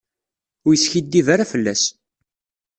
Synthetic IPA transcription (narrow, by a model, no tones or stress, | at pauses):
ʊɾjəsçid̪ːivaɾafəlːæs